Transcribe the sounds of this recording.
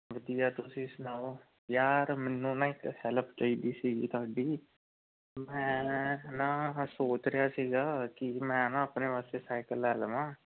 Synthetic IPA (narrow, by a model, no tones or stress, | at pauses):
ʋəd̪ijaːt̪ʊsĩːsʊnaːoː | jaːɾmɛːnːũːnãːɪkhɛləpʰt͡ʃaːiːd̪iːsiːɡiːt̪ʊaːɖiː | mɛ̃ːnãːsoːt͡ʃɾɪjaːsiːɡaːkɪmɛ̃ːnãːəpneːpaːseːsaːɪkəlːɛːlʋãː